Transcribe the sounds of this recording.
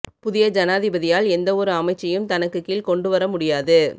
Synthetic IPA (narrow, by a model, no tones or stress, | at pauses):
pʊðɪjɐd͡ʒɐnaːðɪbɐðɪjaːlɛnd̪ɐɔɾɯɐmɐɪt͡ʃːɐjɯmt̪ɐnɐkːɯkːiːlkɔɳɖɯʋɐɾɐmʊɽɪjaːðɯ